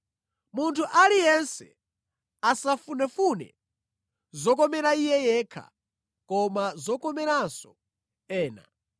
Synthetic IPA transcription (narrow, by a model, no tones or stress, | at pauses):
muntʰuʔalijɛnsɛ̰ | asafunɛfunɛ̰ | zɔk̬ɔmɛɾaijɛjɛːkʰa̰ | kɔmazɔkɔmɛɾasɔ | ɛːna̰